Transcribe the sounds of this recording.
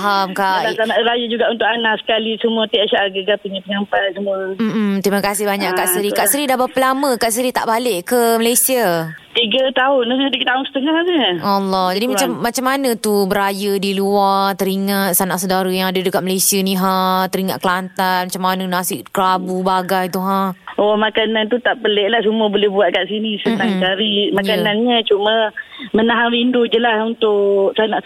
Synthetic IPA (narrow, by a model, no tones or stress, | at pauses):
ɦamkasanaʔɾajad͡ʒuɡaʔunt̪ʊkanahsə̥kalisəmũət̪iʔaʃaʔaɡəɡapuɲãpəɲampasəmuəm̩t̪ɾimakasɪhbaɲaʔkkaʔsəɾikaʔsəɾidabapəlamə̃kaʔsəɾit̪a̰ʔbalɪʔkəməlajsia | t̪iɡət̪aʊndəat̪iɡət̪aʊnsə̥t̪əŋahdəalːɔhd͡ʒadimat͡ʃamːat͡ʃamːanə̃t̪ubəɾajədiluart̪əɾiŋat̪̚sanaʔsədaɾəjaŋadədəkat̪̚məlajsianiɦat̪əɾiŋa̰t̪̚kəlant̪anmat͡ʃamːanənasɪʔkəɾabubaɡajt̪uɦahomakanant̪ut̪aʔpəlɛʔlahsumuəbolɛhbuat̪̚kaʔsinisət̪aŋt͡ʃaɾimakananɲat͡ʃumə̃mənaɦaɾindud͡ʒəlasunt̪ʊʔksanaʔ